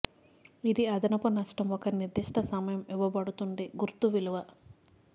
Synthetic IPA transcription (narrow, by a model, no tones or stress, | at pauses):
id̪iɐd̪ɐnɐpɐnɐʂʈɐmɔkɐniɾd̪iʂʈʰɐsɐmɐjɐmiʋɐbɐɽut̪uɳɖeɡuɾt̪uʋiluʋɐ